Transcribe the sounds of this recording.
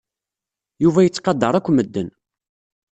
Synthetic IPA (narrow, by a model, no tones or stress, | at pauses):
juvæjət͡sːqɑd̪ːəɾˤækʷːməd̪ːən